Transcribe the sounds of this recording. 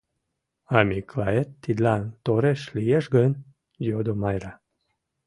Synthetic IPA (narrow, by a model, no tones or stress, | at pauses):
amiklaet̪ːid̪lant̪oɾeʃlieʃɡən | jod̪omajɾa